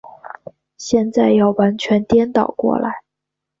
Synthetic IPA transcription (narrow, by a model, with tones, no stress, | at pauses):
ɕjɛ˥˧nt͡sa˥˧ɪjɑ˥˩ʊwa˧˥nt͡ɕʰɥɛ˧˥nt̪jɛ˥nt̪ɑ˨˩ʊkwɔ̰˥˩la˧˥ɪ